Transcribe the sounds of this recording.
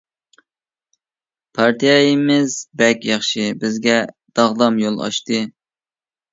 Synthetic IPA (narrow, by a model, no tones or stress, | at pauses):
pʰɑɾt̪ijɑjimɪzbɛkʲjɑχʃibɪzɡʲɛ | d̪̥ɑʁd̪ɑmjolˠɑ̰ʃt̪ɨ